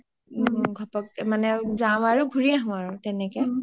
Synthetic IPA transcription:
ɡʱɔpɔk̚manɛzaʊ̃aɹuɡʱuɹiaɦʊ̃aɹʊtɛnɛkɛ

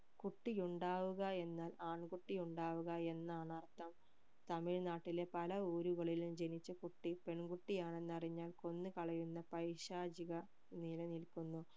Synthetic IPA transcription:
kuʈːijuɳɖaːʋuɣɐe̞nːaːlaːɳɡuʈːijuɳɖaːʋuɣɐe̞nːaːɳɐrt̪ɐm | t̪ɐmiɻnaːʈːile̞pɐlɐuːɾuɣɐɭilumd͡ʑe̞nit͡ɕːɐkuʈːipe̞ɳɡuʈːijaːɳe̞nːɐriɲːaːlko̞nːɨkɐɭɐjunːɐpɐjɕaːd͡ʑiɣɐ | nilɐnilkunːu

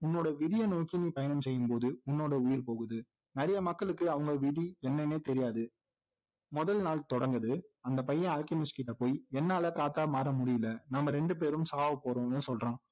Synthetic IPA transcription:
ʊnːoːɽɐʋɪðɪjɐnoːkːɪnipɐjɐnɐmsɛjːɯmpoːðɯʊnːoːɽɐʊjɪɾpoːɣɯðɯ | nɪɾɐjɐmɐkːɐɭɯkːɯɐʋɐŋɡɐʋɪðiɛnːɛneːt̪ɛɾɪjaːðɯ | mʊðɐlnaːlt̪ɔɽɐŋɡɐðɯɐnd̪ɐpɐjːɐ̃aːlkɐmɪskɪʈːɐpoːjɛnːaːlɐkaːt̪ːaːmaːɾɐmʊɽɪjɪlɐnɐmːɐɾɛɳɖɯp̬eːɾɯmsaːʋɐpoːɾõːnːɯsɔlrãː

